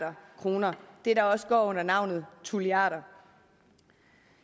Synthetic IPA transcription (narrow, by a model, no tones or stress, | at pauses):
ɐkʰʁo̝ːnɐd̥e̝ɾ̥ɑ̈ɒ̽sə̥ɡ̥ɒ̰ːɔ̽n̰ɐnɑ̈ʊ̰nð̞̩ˠt͡sʰuliɑ̰̈ːɾɐ